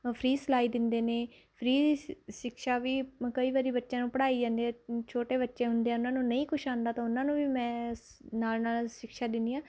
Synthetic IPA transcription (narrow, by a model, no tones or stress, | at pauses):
pʰɾiːsəlaːiːd̪ɪnd̪eːneː | pʰɾiːiʃɪkʃaːʋiːkəiːʋaːɾiːbətːʃãːnũːpəɽaːiːd͡ʒãːnd̪iãːt͡ʃʰoːʈeːbətːʃẽːɦʊnd̪eːɛ̃ːʊnãːnũːnəĩːkʊʃʰãːnd̪aːt̪ãːʊnãːnũːʋiːmɛ̃ːnaːlnaːlʃɪkʃaːd̪ɪnd̪iːãː